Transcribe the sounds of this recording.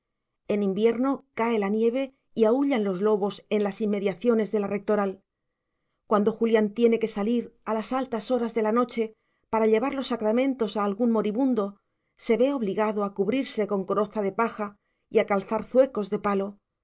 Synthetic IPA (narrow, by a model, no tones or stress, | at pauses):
e̞nĩmbje̞ɾno̞kae̞lanje̞β̞e̞ | iauʎanlo̞zlo̞βo̞se̞nlasimːe̞ðjaθjo̞ne̞zðe̞lare̞k̚t̪o̞ɾal | kwand̪o̞xuljant̪je̞ne̞ke̞saliɾalasalt̪aso̞ɾazðe̞lano̞t͡ʃe̞ | paɾaʎe̞βaɾlo̞sːakɾamẽ̞nt̪o̞saːlɣunmo̞ɾiβund̪o̞ | se̞βe̞o̞β̞liɣaðo̞akuβɾiɾse̞ko̞ŋkoɾo̞θaðe̞paxa | ḭakalθaɾθwe̞ko̞zðe̞palo̞